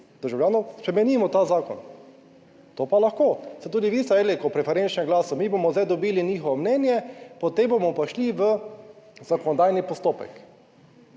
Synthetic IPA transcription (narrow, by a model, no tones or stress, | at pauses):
d̪̥əɾʒawlʲjaːnɔspɾɛmɛnimɔt̪aːzaːkɔ̰n | t̪opalaxkoːsɛt̪uːd̪iʋiːst̪ɛelekɔpɾɛfɛɾent͡ʃnɛŋɡlaːsɔmibomɔzd̪ajd̪ɔbilinixɔʋɔmnɛnjɛpɔt̪embomɔpaʃliʋə | zakɔnɔd̪aːjnipɔst̪oːpɛ̰k